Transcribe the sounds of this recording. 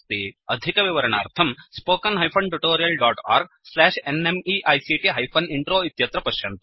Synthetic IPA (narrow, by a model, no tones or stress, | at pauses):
iɐd̪ʱikɐʋiʋɐɾɐɳa̰ːɾt̪ʰɐmspoːkɐnɦɐjpʰɐɳʈuʈoːɾijɐlɖaːʈa̰ːɾɡ̚ | slæːʃenemiʔɐjsiʈiɦɐjpʰɐniɳʈɾoːit̪jɐt̪ɾɐpɐʃjɐnt̪